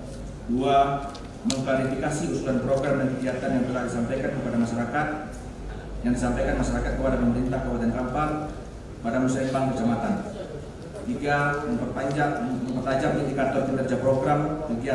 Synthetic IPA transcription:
dua | məŋkaɾifikasiusulanpɾɔɡɾamdaŋkəɡiat̪anjaŋt̪əlahdisampajkankəpadamaʃaɾakat̪̚ | jaŋdisampajkanmaʃaɾakat̪̚kəpadapəməɾint̪ahkəbat̪ɛnkampar | padamusaimbaŋkərt͡ʃamat̪an | t̪iɡaməŋpərpaɲd͡ʒaʔməŋpərt̪ad͡ʒamidikat̪ɔrkəmərd͡ʒapɾɔɡɾamkəɡia

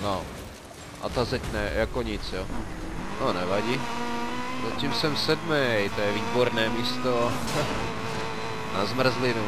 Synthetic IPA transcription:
no | a̰t̪azɛcnɛːjakɔɲit͡sjɔnɔnɛʋaɟiː | zacimsɛmsɛd̪mɛːɦɛjt̪ɔjɛʋiːbɔɾnɛːmiːst̪ɔ | nazmr̩zlinu

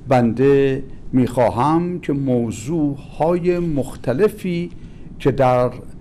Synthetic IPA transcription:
bænd̪emiːxɒːɦæmcʰe̞moːzuːhɒːjemoxt̪ʰæle̞fiː | cʰe̞d̪æɾ

